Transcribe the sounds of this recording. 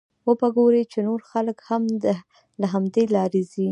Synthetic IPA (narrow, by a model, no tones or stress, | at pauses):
wəpəɡoɾet͡ʃenoɾxaləkhamə | laɦamd̪elɑɾezi